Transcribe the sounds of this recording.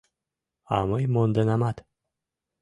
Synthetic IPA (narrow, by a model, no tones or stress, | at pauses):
aməjmond̪ənamat̪